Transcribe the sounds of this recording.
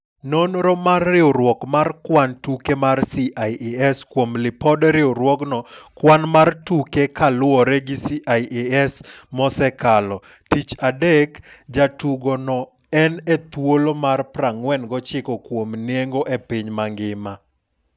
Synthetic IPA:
nonɾɔmarːɪoɾwɔkmarkwantukemarsiʔaiʔeɛskwomlɪpɔdɾɪoɾwɔknɔkwanmartukekalwɔɾɛɡɪsiʔaiʔeɛsmɔsɛkalɔ | tit͡ʃadekd͡ʒatuɡonɔ | ɛnet̪wolomarpɾaŋwɛnɡɔt͡ʃɪkɔkwomnjeŋɡoʔepɪɲmaŋɡɪma

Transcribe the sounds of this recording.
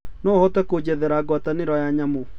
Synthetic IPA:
nɔhɔtɛkod͡ʑɛðɛɾaɡwataneɾɔjaɲamo

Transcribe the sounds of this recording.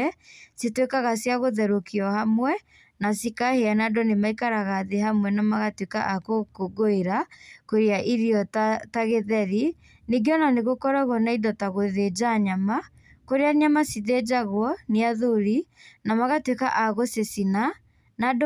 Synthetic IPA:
ɛsetwekaɣasjaɣoðɛɾokiɔhamwɛ | nasikaheanadɔnemaikaɾaɣaðeɦamwɛnamaɣatweka̰ʔakokoɡoeɾakoɾeaʔiɾiɔttaɣeðɛɾi | neɡeɔnaneɣokɔɾaɣwɔnaidɔtaɣoðed͡ʒaɲama | koɾeaɲamasiðed͡ʒaɣwɔneaðoɾinamaɣatweka̰ʔaɣosesina | nad

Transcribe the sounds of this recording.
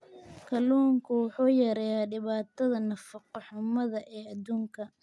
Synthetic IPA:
kʰɐluːŋkʰʊwʊħuːjɐɾɛjaɖɪβaːt̪ʰɐðɐnɐfɑqɑħʊmɐðɐʔɛːɐd̪uːŋkʰɐ

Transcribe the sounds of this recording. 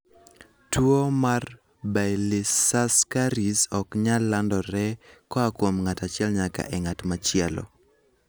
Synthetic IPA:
twomar | bajlisaskaɾisɔkɲalːandɔɾɛkɔakwomŋatat͡ʃɪɛlɲaka̰ʔɛŋatmat͡ʃɪɛlɔ̰

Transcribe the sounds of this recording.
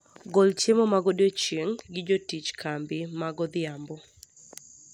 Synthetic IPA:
ɡɔlt͡ʃemɔmaɡɔdjot͡ʃeŋɡɪd͡ʒotit͡ʃkʰambɪmaɡɔd̪ɪambɔ

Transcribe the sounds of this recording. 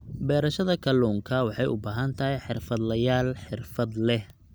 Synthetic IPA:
bɛːɾɐʃɐðɐkʰɐlɔːŋkʰɐwɑħɑjʊbaːɦɐnt̪ʰɐɦɛjħɪrfɐd̪lɐjaːlħɪrfɐd̪lɛh

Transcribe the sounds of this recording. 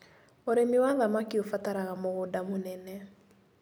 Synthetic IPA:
oɾemiwaðamakiofataɾaɣamoɣʊdamonɛnɛ

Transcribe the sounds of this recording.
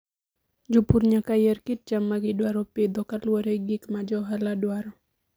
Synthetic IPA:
d͡ʒupuɾɲakajɛrkɪt̚d͡ʒamːaɡɪdwaɾɔpɪd̪ɔkalwɔɾɛɡɪkmad͡ʒɔɦaladwaɾɔ

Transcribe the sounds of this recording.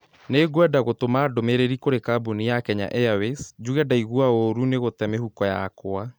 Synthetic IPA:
neɡwɛdaɣotomaːdomeɾeɾikoɾekabunijakɛɲa̰ʔɛawesd͡ʑuɣɛdaiɣwaoɾuneɣotɛmehukɔja̰kwa

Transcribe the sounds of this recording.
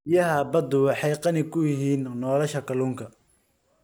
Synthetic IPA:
ɪjɐɦɐbɐd̪ʊwɑħɑjqɑnɪkʰʊjɪɦiːnːɔːlɐʃɐkʰɐluːŋkʰɐ

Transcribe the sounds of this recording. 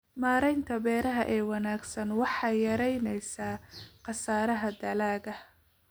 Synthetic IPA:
maːɾɛjnt̪ʰɐbɛːɾɐɦɐʔɛːwɑnaːɡsɐnwɑħɑjjɐɾɛjnɛjsaːqɑsaːɾɐɦɐd̪ɐlaːɡɐ

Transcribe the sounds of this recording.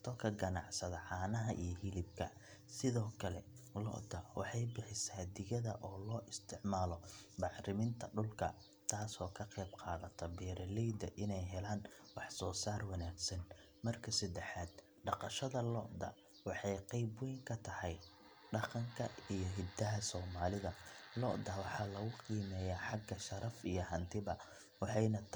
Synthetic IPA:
t̪ʰɔkʰɐɡɐnɑ̰ʕsɐðɐʕɑːnɐɦɐʔijɞɦɪlɪb̚kʰɐ̰ | sɪðɔːkʰɐlɛ̰lɔ̰ʔd̪ɐwɑ̰ħɑjbɪħɪsaːd̪ɪɣɐðɐʔɔːlɔːʔɪst̪ʰɪʕmaːlɔbɑħɾɪmɪnt̪ʰɐɖʊlkʰɐ̰ | t̪ʰaːsɔːkʰɐqɛjbqɑːðɐt̪ʰɐbɛːɾɐlɛjd̪ɐʔɪnɛjɦɛlaːnwɑħsɔːsaːrwɑnaːɡsɐn | mɐrkʰɐsɐd̪ɛħaːd̪ | ɖɑqɑʃɐðɐlɔʔd̪ɐ̰ | wɑħɑjqɛjbʊwɛŋkʰɐt̪ʰɐhɛj | ɖɑqɑŋkʰɐijɔɦɪd̪ɐɦɐsɔːmaːlɪðɐlɔʔd̪ɐwɑħɑːlɐɣʊqiːmɛːjaːħɑɡːɐʃɐɾɐfijɞɦɐnt̪ʰɪβɐ | wɑħɑjnɐ

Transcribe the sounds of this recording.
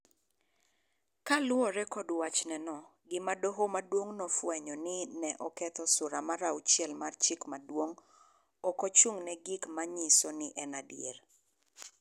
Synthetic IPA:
kalʊɔɾɛkɔdwat͡ʃnɛnɔɡɪmadoɦomadwoŋnɔfwɛɲɔnɪnɛʔɔkɛt̪ɔsʊɾamaɾaut͡ʃjɛlmart͡ʃɪkmadwoŋ | ɔkɔt͡ʃuŋnɛɡɪkmaɲisɔnɪʔɛnadjḛr

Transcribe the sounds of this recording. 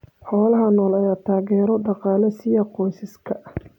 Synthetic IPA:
ħɔːlɐɦɐnɔːlɐjaːt̪ʰaːɣɛːɾɔɖɑqɑːlɐsɪjɐqɔjsɪskʰɐʔ

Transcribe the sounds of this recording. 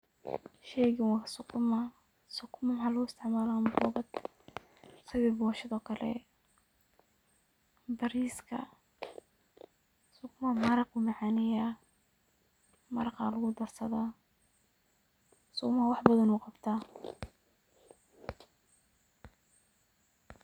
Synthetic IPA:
ʃɛɣɪwɑksʊkʰʊmɐ | sʊkʰʊmɐmhalɐɣʊɪst̪ʰɪʕmaːlambɔːɣɐd̪ | sɐwɛːbɔːʃɪðɔːkʰɐlɛ̰ | bɐɾiːskʰɐ̰ | sʊkʊmɐmɐɾɑqʊmɑʕaːnɛja | mɐɾɑqɑ̰ːlʊɣʊd̪ɐrsɐða | sʊkmɐwɑħbɐðɐnuːqɑbt̪ʰaː

